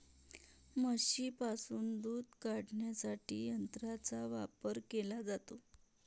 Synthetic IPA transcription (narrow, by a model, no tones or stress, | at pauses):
məɕiːpasuːnd̪uːd̪kaɽɳjasaʈḭːjənt̪ɾat͡saʋapəɾkelad͡zat̪o